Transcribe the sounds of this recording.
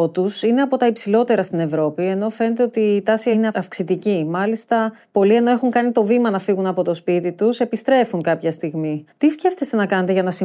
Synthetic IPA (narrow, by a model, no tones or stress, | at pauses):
t̪usine̞ɐpo̞t̪ɐipsilo̞t̪e̞ɾɐst̪ine̞vɾo̞pie̞no̞fe̞ne̞t̪̬e̞o̞t̪iːt̪ɐsineɐfksit̪icimɐlist̪ɐpo̞lie̞no̞e̞xuŋkɐnit̪o̞vimɐnɐfiɣunɐpo̞t̪o̞spit̪it̪use̞pist̪ɾe̞fuŋkɐpçɐst̪iɣmit̪isce̞ft̪est̪e̞nɐkɐne̞t̪eʝɐnɐsi